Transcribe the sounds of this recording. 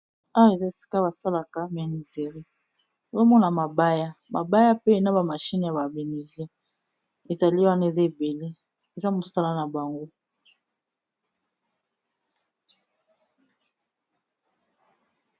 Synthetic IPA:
a˦wa˦e˨za˦e˨si̥˦ka˦ba˨sa˦la˨ka˨me˨ni˨ze˨ʁi˦˨ | zo˦mɔ˦na˨ma˨ba˦ja˦ma˨ba˦ja˦pe˦e˨na˦ba˨ma˨ʃi˦ni˨ja˨ba˨be˨ni˨ze˦ | e˨za˨li˦wa˦na˦e˨za˦e˨be˨le˦ | e˨za˦mo˨sa˦la˦na˨ba˨ŋɡo˦

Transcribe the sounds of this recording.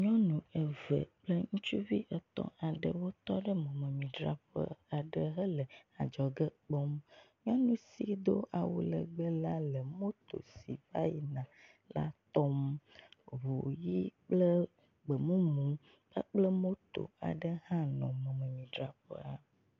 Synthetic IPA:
ɲɔ̃˦nũ˨ə˨və̰˨k͡plə˦ŋũ˦t͡ʃu˦vi˦ʔə˨t̪ɔ̰̃˦a˨ɖə̰˨wo˦t̪ɔ˦ɖə˦mɔ̃˨mə̃˨mĩ˨ɖɾa̰˨ɸə̰˦a˨ɖə˦ɦə˦lə˨a˨d͡ʒɔ˨ɡə˦k͡pɔ˦mɲɔ̃˦nũ˦si˨d̪o˦ʔa˨wṵ˦lə̰˨ɡ͡bə˦la˦lə˨mo˦t̪o̰˨sḭ˨va˦ji˨nã˨ | la̰˦t̪ɔ˦m | βo˨ji˦k͡plə˦ | ɡ͡bə˨mũ˦mũ˨˦ | ə̰˦k͡plə˦mo˦t̪o̰˨a̰˨ɖə˦hã˦nɔ̰̃˨mɔ̃˨mə̃˨mĩ˨ɖɾa˨ɸə̰˦a˨

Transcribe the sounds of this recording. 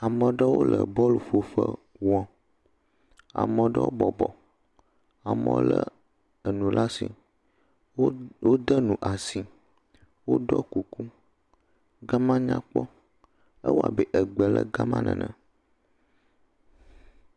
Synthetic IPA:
a˨mə̃˨ɖə˦wo˦lə̰˨bɔ˦lo˨fo˨ɸə˦ | wɔ̃˦ | a̰˨mə̃˨ɖə˦wo˦bɔ˨bɔ˨ | a˨mə̰̃˨lə˦ | ə˨nũ˨lʔa˦sḭ˨˦ | wo˦d̪ə˦nũ˨ʔa˨si˨ | wo˦ɖɔ˦ku˨ku˦ | ɡa˦mã˦ɲã̰˦k͡pɔ˦ | ə˦wo˦a̰˨bɛ˨ʔə˨ɡ͡bə˨lə̰˦ɡa˦mã˦nʔə̰̃˨nʔə̃˨

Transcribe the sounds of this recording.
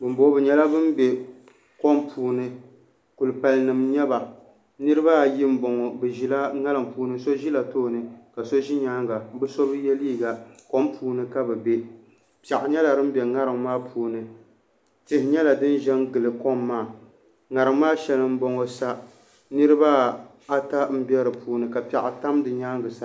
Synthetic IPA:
bɨ˨m˦bo˦bɨ˨ɲɛ˦la˦bɨ˦mbɛ˨ | kɔ˦mpʰuː˨nɨ˦ | ku˨lɨ˨pa˨lnɨ˨mɲɛ˦ba˨ | nɨ˦ɾɨ˦ba˦˨ji˦m̩˦bɔ˨ŋɔ˨bɛ˨ʒi˨la˦ŋa˦lɨ˨mpuː˦nɨ˦so˦ʒi˦la˨toː˦˨nɨ˦ka˨so˦ʒi˦ɲaː˦ŋɡa˨˦bɨ˦sɔ˦bɨ˦jɛ˦liː˦˨ɡa˨ko˦mpʰuː˨˦nɨ˦ka˦bɛ˨bɛ˦ | pja˨ʔɪ˨ɲɛ˦la˨ɾɨ˦m˦bɛ˨ŋa˦ɾɨ˨ŋmaː˦pʰuː˨˦nɨ˨ | tɪ˨hɪ˨ɲɛ˦la˨dɨ˦n˦ʒɛ˦ŋɡɨ˨lɨ˨kɔ˦mːaː˦˨ | ŋa˨ɾɨ˨ŋmaː˦ʃɛ˨lɨ˦m̩˦bɔ˨ŋɔ˨sa˦ | nɨ˦ɾɨ˦ba˦ | a˦ta˦m̩˦bɛ˦ɾɨ˨puː˦nɨ˨ka˨pɛ˨ʔa˨ta˦mdɨ˨ɲaː˦ŋɡɨ˨sa˦

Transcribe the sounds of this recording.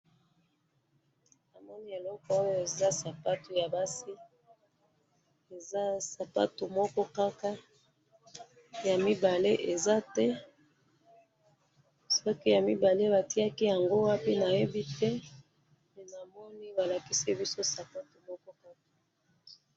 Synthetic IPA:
na˨mɔ˦ni˦e˨lɔ˦kɔ˦o˦jo˦e˨za˦sa˨pa˦to˨ja˨ba˦si˦ | e˨za˦sa˨pa̰˦to˨mɔ˦kɔ˦ka˦ka˦ | ja˨mi˦ba˨le˦ʔe˨za˦tɛ˦ | sɔ˦ki˦ja˨mi˦ba˨le˦ba˨ti˦a˦ki˦ja˨ŋɡo˦wa˦pi˦na˨je˦bi˦tɛ˦ | na˨mɔ˦ni˦ba˨la˨ki˦si˦bi˦so˦sa˨pa˦to˨mɔ˦kɔ˦ka˦kḁ˨

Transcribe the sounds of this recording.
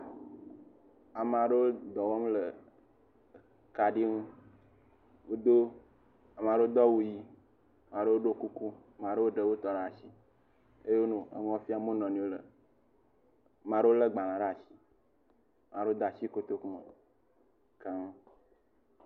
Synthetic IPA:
a˨m˨a˨ɖə˦wo˦d̪ɔ˨wɔ˦mlə˨ | ka˨ɖi˦ŋũ˦ | wo˦d̪o˦ | a˨m˨ã˨ɖe˦wo˦d̪ɔ˦wu˦ji˦˨ | mã˨ɖe˦wo˦ɖo˦ku˦ku˦˨m˨ã˨ɖe˦wo˦ɖə˨wo˦t̪ɔ˨ɖa˦˨si˦ | e˦je˦wo˦nũ˦ḛ˨ŋɔ̃˦fi˦a˨mõ˦nɔ̃˨nĩ˨˦wo˦lə̰˨ | mã˨ɖə˦wo˦lə˦ɡ͡ba˨lã˨ɖa˦˨si̥˦˨ | mã˨ɖe˦o˦d̪a˨si˦ko˦t̪o˦ku˦ma˨ | ka˦ŋ˦

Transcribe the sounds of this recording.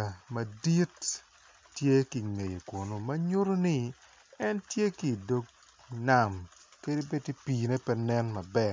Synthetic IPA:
mɐ˨di˦tː | je˦ki˨ŋe˨jo˨kwo˨no˨mɐ˦ɲo˦ɾo˦ni˦ | ɛ˦ntje˦ki˨do˦ɡ̚ | na˦˨mke˦de˦be˦ti˦piː˨ne˦pɛ˦nɛ˦nmɐ˨bɛ˦

